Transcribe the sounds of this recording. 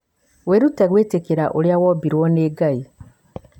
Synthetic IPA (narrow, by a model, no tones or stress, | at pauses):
weɾuteɣweːtekeɾaʔoljawobiɾwoneːɡai